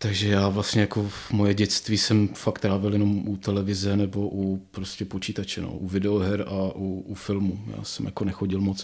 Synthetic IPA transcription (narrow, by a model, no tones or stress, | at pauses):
t̪aɡʒɛjaːvlast̪ɲɛjako̞mojɛɟɛt͡st̪viːsɛmfakt̪ːɾaːvɪljɛno̞mʔut̪ɛlɛvɪzɛnɛbo̞ʔupɾoscʲɛpot͡ʃiːt̪at͡ʃɛno̰ːʔuvɪdɛoɦɛɾaʔuufɪlmuja̰ːsɛmjako̞nɛxoɟɪlmot͡s